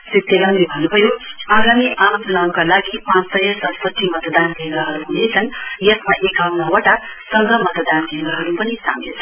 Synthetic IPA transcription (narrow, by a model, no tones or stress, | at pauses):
sit̪jʌɡʌnd̪ibʱʌnubʱʌjoaɡamiʔamʌt̪lawkalaɡipãt͡ssʌjʌsʌspʌt̪ːimʌt̪d̪anbʱeŋɡaɦʌɾuɦunejt͡sʰʌnjʌsmaʔekawnʌwaʈa | sʌŋɡʱʌmʌt̪d̪anbʱeŋɡaɦʌɾupʌnisa̰ŋɡet͡sʰʌ